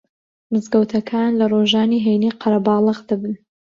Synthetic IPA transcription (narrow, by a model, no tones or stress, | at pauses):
mɨzɡəwt̪ʰɐkʰanlɐroʒɑːniɦejniqʰɑɾɐbɑːlˠɨɣd̪ɨbɨn